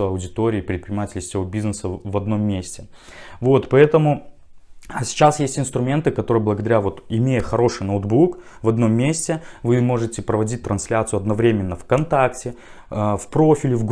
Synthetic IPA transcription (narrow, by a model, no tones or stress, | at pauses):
ɐwdʲɪt̪o̞ɾʲɪːpɾʲɪt̪̚pɾʲɪnɲʲɪmatʲɪlʲsʲɪvobʲiznɨsəvɐd̪no̞mːʲesʲtʲɪ | vo̞t̪pɐɛt̪əmʊ | sʲɪ̥t͡ɕasjesʲtʲɪnst̪ɾʊmʲe̞nt̪ɨkɐt̪o̞ɾɨjəblˠəɡəd̪ɐɾʲavo̞t̪ɪmʲejəxɐɾo̞ʂɨjnowd̪buk | vɐd̪no̞mːʲesʲtʲɪvɨmo̞ʐɨtʲɪpɾəvɐdʲit̚ʲt̪ɾɐnslʲat̪sɨɐd̪nɐvɾʲemʲɪnːəfkɐnt̪aktʲɪ | fpɾo̞fʲɪlʲɪvɡ